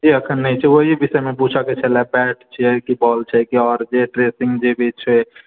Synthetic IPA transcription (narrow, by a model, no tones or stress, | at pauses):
d͡ʒiəkʰənːəjt͡ʃʰɛoɦibisəmeput͡ʃʰaket͡ʃʰɛlɛbɛʈt͡ʃʰɛkibɔlt͡ʃʰɛkiɔɾd͡ʒeʈɾesĩŋɡd͡ʒebʱit͡ʃʰə